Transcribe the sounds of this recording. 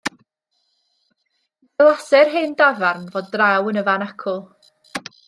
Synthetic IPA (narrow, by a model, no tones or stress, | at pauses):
ɛlˠasɛrɦendavarnvoːdrawənəvanakʰʊlˠ